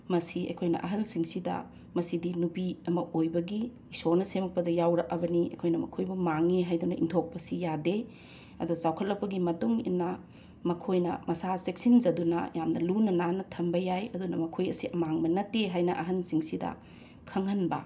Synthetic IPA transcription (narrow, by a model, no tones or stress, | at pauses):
mɐsiɐ̰jkʰojnɐ̰ʔɐ̰ɦɐlsiŋsidɐ̰ | mɐsidinupiɐmɐʔojbɐɡiː | sonɐsemɐk̚pɐdɐjawɾɐk̚ɐbɐniɐ̰jkʰojnɐmɐkʰojbumaŋeɦajdunɐʔḭŋtʰok̚pɐsijade | ɐdusawkʰɐt̚lɐpːɐɡimɐtuŋḭnːɐ | mɐkʰojnɐ̰mɐsasek̚sind͡ʒɐdunɐ̰jamnɐlunɐnanɐtʰɐmbɐjajɐdunɐmɐkʰojɐsiʔɐmaŋbɐnɐtːeɦajnɐʔɐɦɐnsiŋsidɐ̰ | kʰɐŋɐnbɐ̰